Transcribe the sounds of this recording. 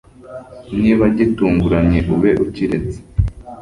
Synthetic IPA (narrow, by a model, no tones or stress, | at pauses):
niːβaɟituːŋɡuɾaɲe̞ʔuβe̞ʔuciɾe̞t͡se̥